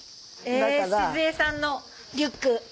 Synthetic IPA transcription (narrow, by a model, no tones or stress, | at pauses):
esezeːsãnːo | ɾʲɯkːɯ